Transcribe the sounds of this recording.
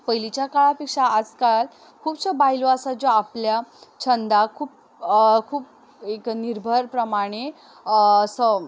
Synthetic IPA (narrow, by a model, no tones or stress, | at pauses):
pəjlit͡ɕjakaɭapekʂaad͡zkal | kʰuːbsəbajloasad͡zoapljat͡ɕʰənd̪akʰuːp̚ | kʰuːp̚ | ekniɾbʱəɾpɾəmaɽ̃eː | sə